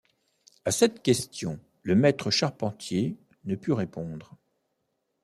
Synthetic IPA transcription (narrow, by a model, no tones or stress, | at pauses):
asɛt̪kʲɛst̪jɔ̃ | ləmɛt̪χəʃaʁpɑ̃t̪je | nəpyʁepɔ̃d̪ʁ